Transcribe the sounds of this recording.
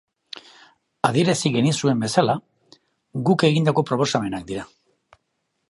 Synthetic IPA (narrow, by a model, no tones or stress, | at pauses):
aðieɾasiɣenisue̞mbe̞sala | ɡuke̞ɣind̪ako̞pɾo̞po̞same̞nak̚d̪iɾa